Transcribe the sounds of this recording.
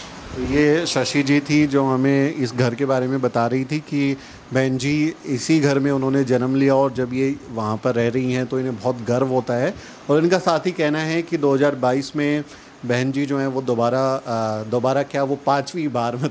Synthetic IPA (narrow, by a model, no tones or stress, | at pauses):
jeːʃɐʃid͡ʒit̪ʰid͡ʒoːɦɐmẽɪsɡʱɐɾkebaːɾemẽbɐt̪aɾɐɦit̪ʰiki | bɛːnd͡ʒiɪsiɡʱɐɾmẽʊnɦõned͡ʒɐnəmlijaɔːɾd͡ʒɐbjeʋɐɦãpɐɾːɛɦɾɐɦiɦɛ̃t̪oɪnɦẽbɔːt̪ɡɐɾʋɦoːt̪aɦɛː | ɔːɾɪnkasaːt̪ɦikɛɦnaɦɛkid̪oːɦɐzaːɾbaːiːsmẽ | bɛɦnd͡ʒid͡ʒoːɦɛ̃ʋod̪oːbaːɾad̪oːbaːɾakjaːʋopãːt͡ʃʋibaːɾmẽ